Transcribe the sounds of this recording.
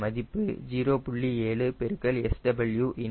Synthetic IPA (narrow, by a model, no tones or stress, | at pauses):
mɐðɪpːɯd͡ʒiːɾoːpʊɭːieːɭɯpɛɾɯkːɐlɛsʈɐbɐɭjuːʔɪn